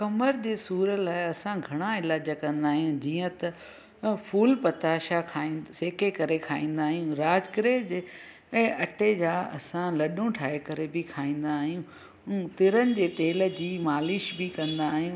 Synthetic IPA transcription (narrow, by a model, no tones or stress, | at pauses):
kɐməɾd͡ʑeːsuːɾəlaːɪɐsãɡʱɐɽ̃aɪlaːd͡ʑəkɐ̃nd̪aːɦijũd͡ʑiːə̃t̪ɐ | fʰuːlpɐt̪aːʃakʰaːĩnseːkekɐɾekʰaːĩːn̆d̪aːɦijũɾaːd͡ʑkɪɾeːd͡ʑẽː | ʔɐʈed͡ʑaːɐ̰sãlɐɗũʈʰaːekɐɾebɪkʰaːĩːn̆d̪aːɦijũ | t̪ɪɾənɪ̆d͡ʑeːt̪eːlə̆d͡ʑiːmaːlɪʃbɪkɐ̃nd̪aːɦijũː